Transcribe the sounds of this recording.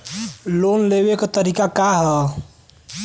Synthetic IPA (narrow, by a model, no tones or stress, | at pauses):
lonlebekt̪əɾikakaɦə